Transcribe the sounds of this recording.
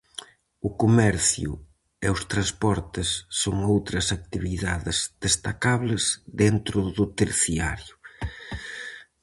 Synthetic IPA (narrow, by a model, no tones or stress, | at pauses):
ʊkomɛɾθjʊ̰ | eʊst̪ɾanspɔɾt̪ɪsːoŋowt̪ɾɐsak̚t̪iβiðaðɪz̥ðest̪akaβlɪzðent̪ɾʊðʊt̪eɾθiaɾjʊ